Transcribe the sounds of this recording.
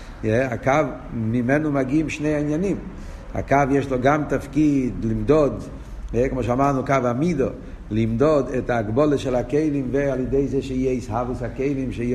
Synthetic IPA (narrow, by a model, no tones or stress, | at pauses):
jɛakav | mimɛnumaɡiːmʃnejainjanim | ha̰kavjɛʃloɡamtafkidlimdod | ɛkmɔʃeamaʁnukavamido | limdodɛtaɡboləʃɛlakeɪlimvealjedeɪzeʃeijɛishavushakeɪlimʃei